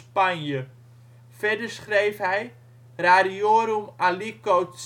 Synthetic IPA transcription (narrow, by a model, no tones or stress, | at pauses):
pɐnjə | fɛdərsχrejfɦɛj | raɾioːɾumalikowts